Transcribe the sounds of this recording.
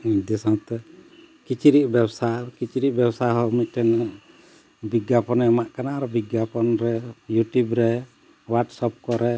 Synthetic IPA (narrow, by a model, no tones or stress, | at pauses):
d̪isɔ̃t̪ɛ | kit͡ʃiɾiʔ̚bɛbsakit͡ʃiɾiʔ̚bɛbsaɦɔmit̪̚ʈɛn | biɡjapɔnɛamaʔkanaɾɔbiɡjapɔnɾɛjuʈjubɾɛ | waɾʈsɔp̚kɔɾɛ